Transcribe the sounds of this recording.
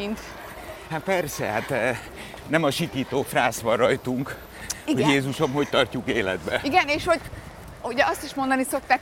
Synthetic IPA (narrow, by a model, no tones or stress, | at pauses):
int̪ | hapɛrsɛ̰hat̪ | nɛmɒʃit̪iːt̪oːfraːsʋɒrɒjt̪uŋk | ioɟjeːzuʃɒmɦoct̪ɒrcukeːlɛ̰d̪bɛiɡɛneːʃhoɟ | uɟɛɒst̪iʃmo̞nd̪ɒniso̞k̚t̪aːk